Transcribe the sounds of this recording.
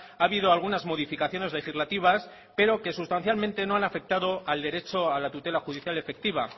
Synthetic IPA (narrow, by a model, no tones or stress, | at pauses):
aβið̞o̞alɣ̞unazmo̞ð̞ifikaθjo̞ne̞zle̞xizlat̪iβ̞as | pe̞ɾo̞ke̞sust̪an̟θjalmẽnt̪e̞no̞anafe̞k̚t̪aðo̞ald̪e̞ɾet͡ʃoalat̪ut̪e̞laxuðiθjale̞fe̞k̚t̪iβ̞a